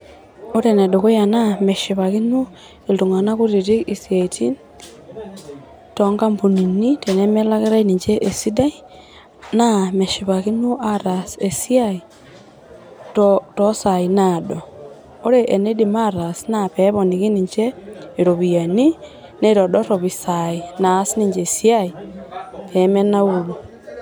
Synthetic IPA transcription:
o˦ɾe˨ne˨do˨ko˦ja˨na˦me˨ʃi˨βa˨ki˦nu˦ | e˨ltu˨ŋa˨na˦ku˦ɾi˨ɾi˦i˨sija˨i˨tʰi˦n | tɔŋɡa˦mbu˨ni˨ni˦te˨ne˦me˦la˦ɣe˦ɾa˦ini˨ɲd͡ʒe˦ʔe˨si˦da˦i˦ | na˦me˨ʃiβa˨ki˦nu˦ʔa˦ɾa˨se˨si˦a˦i˨ | ttɔsa˨inadoː˨˦ | ɾe˦ʔe˨ne˦dima˦ɾa˨sinapeβo˨ni˨ɣi˦niɲd͡ʒei˨ɾo˨βiani˦ | ne˦ɾo˨dɔ˦tɔ˨βi˨sainaː˨˦si˦ni˦ɲd͡ʒesja˦i | peme˦na˦ulu

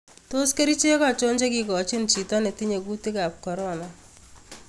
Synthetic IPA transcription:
to˦ske˦ɾi˦t͡ʃe˦kat͡ʃo˦ɲt͡ʃe˦ki˨kɔ˨t͡ʃi˦nt͡ʃi˨tɔ˦ne˨ti˦ɲe˨ku˦ti˦ka˨p̚kɔ˨ɾɔna

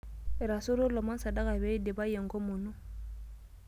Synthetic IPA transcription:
ɛ˨ɾa˨so˦ɾo˦lɔ˨ma˦n˦sa˨da˦ka˨be˦de˨ba˦je˨ŋɡo˦mo˨nu˦

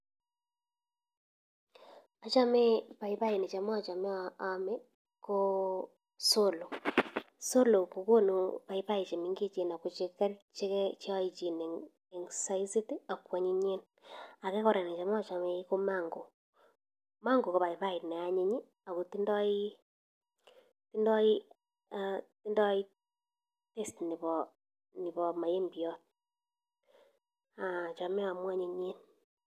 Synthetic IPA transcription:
a˨t͡ʃa˦me˦βa˨i˨βa˦i˨ne˨t͡ʃa˨ma˦a˨t͡ʃa˨me˦aame˦ | ko˦ | so˦lo˨ | so˦lo˨ko˨ko˦no˨βa˨i˨βa˦i˨t͡ʃe˨mi˨ŋɡe˦t͡ʃe˨na˨ko˨t͡ʃe˨ka˦t͡ʃe˦ke˦t͡ʃe˦wa˦i˦t͡ʃi˨ne˨ | e˨ŋsa˦i˦si˦ti˦a˨kwa˨ɲi˦ɲe˦n | a˨ke˦kɔ˦ɾa˨ne˨t͡ʃa˨m˦a˦t͡ʃa˨me˨i˦ko˦ma˦ŋɡo˨ | ma˦ŋɡo˨ko˨βa˨i˨βa˦i˨ne˨a˨ɲe˦ɲi˦ | a˨ko˨ti˦ndɔ˦i˦ | ti˦ndɔ˦i˦ | ti˦ndɔ˦i˦ | te˦stni˨βɔ | ni˨βɔ˨ma˨je˦mbi˨ɔ˦t̚ | a˨t͡ʃa˨me˦wa˨mwa˦ɲi˨ɲe˦n

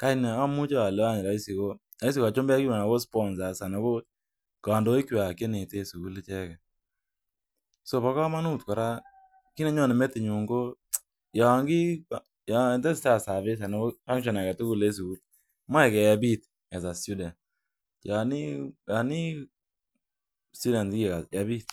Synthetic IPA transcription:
ka˦ina˨a˦mu˦t͡ʃa˦a˨lɛ˦a˦ɲɪ˨la˨˦i˦si˨ko˦ | a˨i˦s̬i˦˨ka˨t͡ʃo˦mbɛ˦ki˦a˨na˨bo˦spɔ˦nza˨sa˨nɔ˨bo˦ | ka˨ndo˨˦i˦kwa˨ke˦ne˨te˦su˨ku˦lt͡ʃɛ˦kɛ˨ | so˨pa˨˦ka˦ma˦nu˦tkɔ˨ɾa˦ | ki˦nɛ˦ɲɔ˦˨nɛ˨mɛ˦tɪ˨ɲu˨ŋɡo˦ | ja˨ŋɡɪ˦ | ja˨ɛ˨ntɛ˦sta˦˨sa˨βɪ˦s̬a˨nɔ˨bo˦a˦ŋʃɔ˨na˨kɛ˨tʊ˦ku˨le˦s̬u˨ku˦l | ma˦ɛ˨kɛ˨ja˨bi˦t | ɛ˨sa˨su˦da˨n | ja˨ni˦ja˨ni˦ | su˦da˨n˦ki˨ka˨ja˨bi˦t

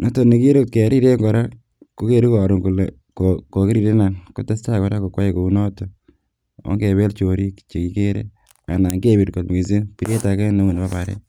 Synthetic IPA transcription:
nɔ˦to˨ni˨ki˦ɾo˦t̚ke˨ɾi˦ɾe˦ŋɡɔ˨ɾa˦ | ko˦ke˦ɾu˦kɔ˨ɾu˨ŋku˨le˨ | koko˨ki˦ɾi˦˨ɾe˦na˨nko˦te˦sta˦kɔ˨ɾa˦ko˨kwa˦je˦ko˨u˦nɔ˦to˨ | o̰˦ŋɡe˨βe˦lt͡ʃo˨ɾi˦kt͡ʃe˨ki˨ke˦ɾḛ˦ | a̰˨na˨ŋɡe˦βi˨ɾko˨tmi˨ze˦pi˨ɾe˦ta˨kɛ˦no˦ŋu˨nba˦pa˨ɾḛ

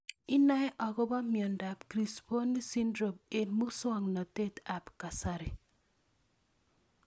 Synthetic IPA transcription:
ɪ˦na˦ɛ˦ʔɔ˨ɡɔ˦ba˦mjɔ˨nda˨pkɾi˨spo˦nːi˦si˦ndɾo˨me˨nmu˦swɔ˨ŋnɔ˨te˦ta˨pka˨sa˦ɾɪ˨

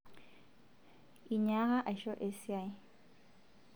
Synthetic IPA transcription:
i˨ɲa˦ɣa˦ʔa˨ʃɔ˦ʔe˦sia˨˦

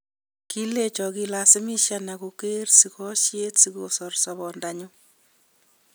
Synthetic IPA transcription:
ki˦le˦t͡ʃɔ˨ki˦lasɪ˦mi˦ʃa˦na˨ku˨ke˦rsi˨kɔ˦ʃje˦tsi˦ko̰˨sɔ˨rsɔβɔndaɲu˦

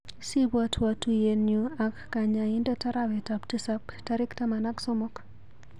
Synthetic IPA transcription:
si˦ba˦tʰwa˨tu˨je˨nju˨a˨kːa˨ɲa˨ɪ˦ndɛ˦ta˦ɾa˦bɛ˨tapti˦sa˦pta˦ɾɪ˦ktama˨na˦ksɔ˦mɔ˦k

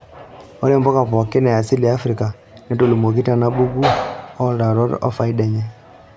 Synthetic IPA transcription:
ɔ˦ɾe˦mbɔ˦ka˨pɔ˨kɪ˦nɛ˨ja˨si˦li˨a˦fɾi˨ka˨ | nɛ˦to˦˨lu˨mo˨k̬i˦ta˦na˦bu˦ɡu˦ɔ˦da˨ɾɔ˦ɾɔ̰˦fa˦i˦dɛ˨ɲɛ˦

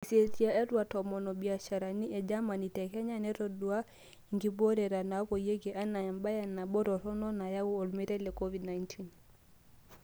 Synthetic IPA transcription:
i˨se˨ti˨˦a˨ɛ˦twa˨tɔ˨mɔ˨nɔ˨bi˨a˨ʃa˨ɾa˨ni˦ʔɛ˨d͡ʒa˦ma˨ni˨tɛ˨kɛ˦ɲa˦nɛ˦ɾɔ˨du˦a˦ | i˨ŋɡi˨bɔ˦ɾɛ˨ɾa˨na˨˦kɔ˨je˦ɡɛ˨ʔa˦na˨a˨mba˦ja˨na˨ɓɔ˦ɾɔ˨ɾɔ˦nɔ˦na˨ja˦wu˦ɔ˨lmi˦ɾɛ˦lɛ˨kɔ˦vi˨dna˨˦jntʰi˦n

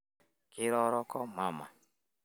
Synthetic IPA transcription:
kɪ˦ɾɔ˦ɾɔ˦kɔ˦ma˦ma̰˨

